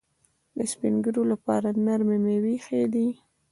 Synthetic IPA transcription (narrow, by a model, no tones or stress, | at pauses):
d̪əspiŋɡəɾolapɑ̰ɾanaɾmemewixed̪i